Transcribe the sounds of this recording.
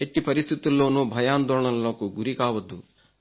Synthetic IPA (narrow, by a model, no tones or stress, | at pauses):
eʈːipɐɾist̪ʰit̪ilːoːnubʱɐjaːnd̪ɔːɭɐlːɐkuɡuɾikaːʋɐd̪u